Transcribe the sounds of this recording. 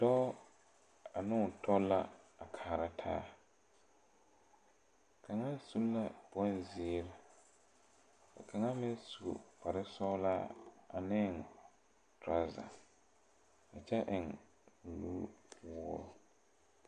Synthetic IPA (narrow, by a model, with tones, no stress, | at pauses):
d̥ɔ˦ | a˨nʊ̃˦˨tʰɔ˦la˦a˨kʰaː˨ɾa˦tʰa̰ː˦ | kʰa˨ŋa˦su˦la˦b̥ɔ˦n˦ziː˦ɾa˦ | a˨kʰa˨ŋa˦mɪ˦su˨o̰˨pʰa˨ɾɪ˦sɔ˦la˦a̰˨nɪ˦˨n | tɾa˦za̰˨ | a˨t͡ʃɛ˦ʔɪ˨ŋ˨ | luː˦wʊː˦ɾʊ˨